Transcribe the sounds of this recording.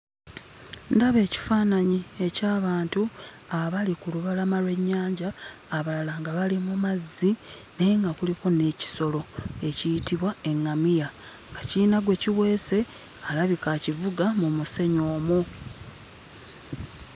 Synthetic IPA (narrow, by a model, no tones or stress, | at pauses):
ndaβe̞ːci̥faːnaɲie̞caːβaːntu | aβalikuluβalamalwe̞ɲːaːɲɟaːβalalaŋɡaβalimumazːi | neŋɡakuliko̞ne̞ci̥so̞lo̞e̞cijitiβwae̞ŋːamija | ɡaciːnaɡwe̞ciwe̞ːse̞ | alaβikacivuɡamumuse̞ɲoːmu